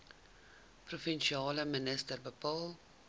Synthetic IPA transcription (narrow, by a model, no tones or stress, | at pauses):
profənʃiɑːləmənəstərbəpɑːlˠ